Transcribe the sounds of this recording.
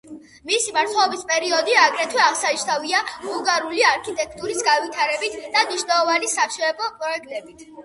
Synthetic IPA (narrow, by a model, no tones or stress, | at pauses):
misimaɾt̪sʰɔɔbispʼɛɾiɔd̪iaɡɾɛt̪ʰwɛaʁsaiʃt̪aviabulˠɡaɾuliaɾkʰit̪ʼɛk̚ʰt̪ʼuɾisɡanvit̪ʰaɾɛbit̪ʰd̪̥amniʃnɛlˠɔvanisaʃɔɛbɔpʼɾɔɛk̚t̪ʼɛbit̪ʰ